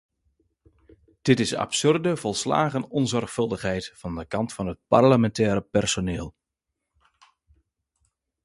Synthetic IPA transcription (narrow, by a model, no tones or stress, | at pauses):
d̥ɪtɪsa̰psørdəvɔlˠsla̰ːɣənɔnzɔrχfɵlˠdəχɦɛjtfɑndəkɑntfɑnɦət̚parləmɛntɛːɾəpɛrsonɪːlˠ